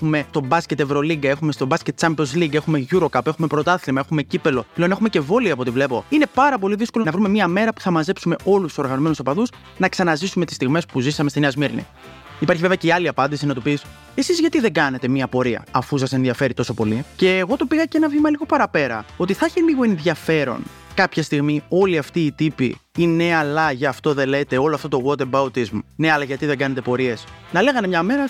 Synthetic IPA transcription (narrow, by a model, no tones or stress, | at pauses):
xume̞st̪o̞bɐsce̞t̪e̞vɾo̞liɡɐe̞xumest̪o̞bɐskcet̪̚t͡sɐmpiozliɡe̞xume̞ʝuɾo̞kɐpe̞xume̞pɾo̞t̪ɐθlimɐe̞xume̞cipe̞lo̞plene̞xume̞ce̞vo̞liɐpo̞t̪ivle̞po̞ine̞pɐɾɐpo̞liðisko̞lonɐvɾume̞miɐme̞ɾɐpu̥θɐmɐze̞psume̞ʔo̞lusu̥so̞ɾɣɐno̞me̞nusɐpɐðus | nɐksɐnɐzisume̞t̪i̥st̪iɣme̞spuzisɐme̞st̪ineɐzmiɾnḭ | ipɐɾçive̞veɐceiɐliɐpɐnd̪isinɐt̪upis | e̞sizʝɐt̪iðe̞ɡɐne̞t̪e̞miɐpo̞ɾiɐ̰ɐfus̬ɐse̞nðiɐfe̞ɾit̪o̞so̞po̞lice̞ːɣo̞t̪opiɣɐceenɐvimɐliɣo̞pɐɾɐpe̞ɾɐ̰o̞t̪iθɐçeliɣo̞e̞nðʝɐfe̞ɾo̞̰n | kɐpçɐst̪iɣmio̞liɐft̪iːt̪ipḭine̞ɐlɐʝɐːft̪o̞ðe̞le̞t̪e̞o̞loɐft̪ot̪o̞wot̪e̞bɐut̪izmne̞ɐlɐʝɐt̪iðe̞ŋɡɐne̞t̪e̞po̞ɾie̞snɐle̞ɣɐnemɲɐme̞ɾɐ